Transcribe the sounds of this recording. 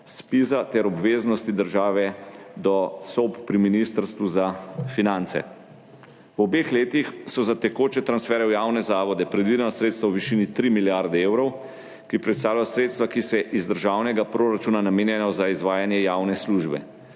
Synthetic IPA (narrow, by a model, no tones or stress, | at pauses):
spizat̪ɛɾɔbʋeːznɔst̪id̪əɾʒaːʋɛd̪ɔsɔppɾiminist̪əɾst̪ʋuzafinant̪sɛ̰ | wɔbexleːt̪ixsɔzat̪ɛkoːt͡ʃɛt̪ɾansfɛːɾɛwjawnɛzaːʋɔd̪ɛpɾɛd̪ʋid̪ɛnɔsɾet̪st̪ʋawʋiʃiːnit̪ɾimiljaɾd̪ɛeːwɾɔw | kipɾɛt̪st̪aːwlajɔsɾeːt̪st̪ʋakisɛʔizd̪əɾʒaːwnɛɡapɾoːɾat͡ʃuːnanameːnjɛnɔzaizʋaːjanjɛjawnɛsluʒbɛ̰